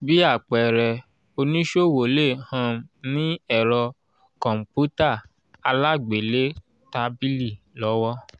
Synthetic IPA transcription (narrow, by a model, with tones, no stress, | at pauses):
bi˦a˦˨k͡pɛ˨ɾɛ˨ | o˧nĩ˦ʃo˦˨wo˨le˦˨hã˧˦nĩ˦ɛ˨ɾɔ˧ | kɔ̃˨m̩˨pu˦ta˦˨ | a˧la˦ɡ͡be˨le˦ | ta˧bi˦li˦˨ | lɔ˨˦wɔ˦